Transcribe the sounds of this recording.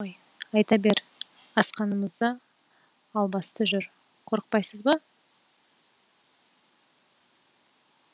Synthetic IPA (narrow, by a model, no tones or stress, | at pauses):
j | ɑjt̪ɑbe̞ɾ | ɑsqɑnəməzd̪ə | ɑlˠbɑst̪əʒʏɾ | qʰo̞ɾəq̚pɑjsəzbɑ